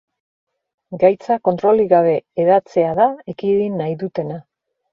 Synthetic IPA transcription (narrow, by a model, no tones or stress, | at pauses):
ɡajt͡sako̞nt̪ɾo̞liɣaβ̞e̞ːðat͡se̞aðaekiðinːajðut̪e̞na